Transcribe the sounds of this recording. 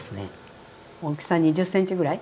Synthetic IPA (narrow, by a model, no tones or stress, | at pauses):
sɨnḛ | okʲsãɲ̟iʑɨsːẽɲ̟t͡ɕiɡɯ̟ɾai